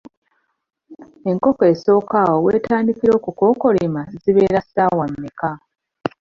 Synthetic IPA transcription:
e̞ŋko̞ke̞so̞ːkaːwowe̞ːtaːndikiɾo̞ːkuko̞ːko̞limaziβe̞ːɾasaːwamːeka

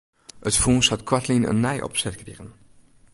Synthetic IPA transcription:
ətfũːnshɑtkwatʰlinə̰nːɛjʔɔ̰psɛt̚kɾiʁən

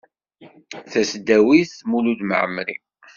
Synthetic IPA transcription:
θæsd̪æwiθmulud̪mə̰ʕəmɾḭ

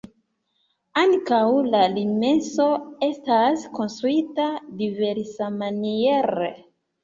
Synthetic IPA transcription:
aŋkawlalime̞nso̞e̞stasko̞nstɾuitadive̞ɾsamanieɾḛ

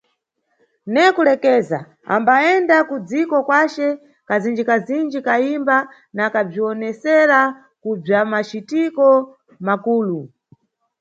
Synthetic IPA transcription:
nɛkulɛkɛːza̰ | a̰mbaɛndakud͡zikɔkwat͡ʃɛ | kazind͡ʒikazind͡ʒikaimba | nakab͡ʐiɔnɛsɛɾa | kub͡ʐamat͡ʃitikɔ | makuːlu

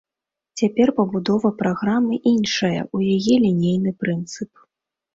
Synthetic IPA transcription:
t͡sʲapʲɛrpɐbud̪ɔvɐpɾaɣɾamɨʔinʂɐjɐ̰ujajɛlʲinʲejnɨpɾɨnt̪sɨp̚

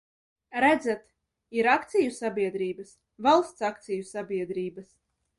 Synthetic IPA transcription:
ɾæd̪zæt̪ | iɾak̚t̪sʲijusabʲiɛd̪ɾiːbas | valˠst̪sakt̪sijusabʲiɛd̪ɾiːbas

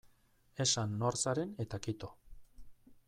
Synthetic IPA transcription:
e̞sanːo̞ɾsaɾe̞ne̞t̪akit̪o

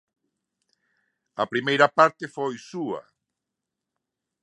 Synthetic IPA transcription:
ɐpɾimejɾɐpaɾt̪efojsuɐ̰

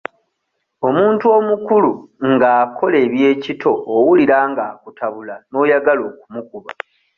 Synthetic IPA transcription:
o̞muːntuo̞mukuluŋɡaːkʰo̞le̞ːβje̞ːcitʰo̞ːwuliɾaːŋɡaːkutʰaβulano̞ːjaɡalo̞ːkumukuβa

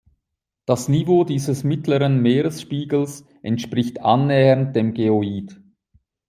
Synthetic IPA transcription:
d̥asnivoːdiːzəsmɪtləʁənmeːʁəsʃpiːɡl̩s | ʔɛntʃpʁ̥ɪçtʔanːɛːənt̚d̥eːmɡeoiːd

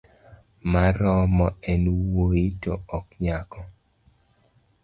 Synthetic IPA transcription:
maɾɔmɔɛnwoitɔ̰ɔkɲakɔ

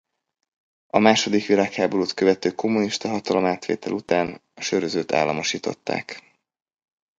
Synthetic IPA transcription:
ɒmaːʃo̞d̪ikʋilaːkhaːboɾuːt̪køvɛt̪øːkʰo̞mːuniʃt̪ɒɦɒt̪ɒlo̞maːt̪ʋḛːt̪ɛlʔut̪aːn | ɒʃøɾøzøːt̪ʰa̰ːlːɒmo̞ʃiːt̪o̞̰t̪ːa̰ːk

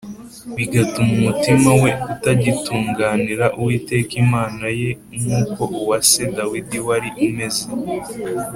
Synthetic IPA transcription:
βiɡatumumutimawe̞utaɟituːŋɡaːniɾaʔuwiːte̞ːkimaːnaje̞ | mhuːko̞ʔuwase̞dawidiwaɾiʔume̞ze

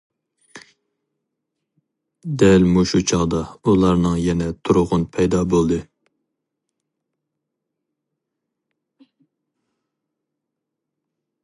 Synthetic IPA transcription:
d̪ɛlmuʃut͡ʃʰɑʁd̪ɑulˠɑɾnɨŋjɛnɛt̪ʰuɾʊʁʊnpʰɛjd̪ɑbolˠd̪ɨ

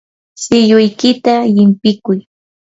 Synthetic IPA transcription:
sɪjʊjkɪt̪ajɪmpɪkʊj

